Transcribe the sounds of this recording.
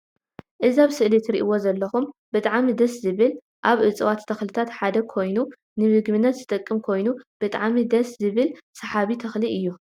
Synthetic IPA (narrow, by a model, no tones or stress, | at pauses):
ʔɨziaβsɨʔlit̪ɾḭʔɨwo̞zɐlːɐxumbɨt̪ʼaʕmid̪ɐszɨβɨl | ʔaβʕɨt͡sʼɨwat̪t̪ʰɐxlɨt̪ʰat̪ħad̪ɐkʰo̞jnu | nɨβɨɡβɨnːɐt̪zɨt̪ʼɐkʼːɨmkʰo̞jnub̥ɨt̪ʼa̰ʕmid̪ɐszɨβɨlsɐħaβit̪ʰɐxliʔɨjːu